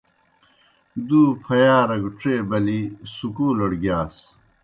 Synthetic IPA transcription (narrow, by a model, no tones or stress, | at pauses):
d̪uːpʰɐjaːɾɐɡuʈ͡ʂeːbɐlisukuːlɐɽɡjaːs